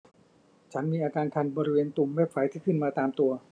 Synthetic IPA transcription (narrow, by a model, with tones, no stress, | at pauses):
t͡ɕʰa˦˥nmiː˧ʔaː˧kaː˧nkʰa˧nbɔː˧ɾi˦weː˧nt̪u˧mwɛ˦˥˩p̚fa˦˩˦jt̪ʰiː˥˩kʰɯ˥˩nmaː˧t̪aː˧mt̪u˧ɐ